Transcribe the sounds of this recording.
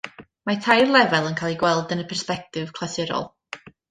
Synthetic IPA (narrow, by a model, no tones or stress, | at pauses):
matʰajrlˠɛvɛlˠənkʰaːlˠiɡwɛlˠdənəpʰɛrspɛk̚tɪv̥kʰl̥ˠasɪɾɔ̰lˠ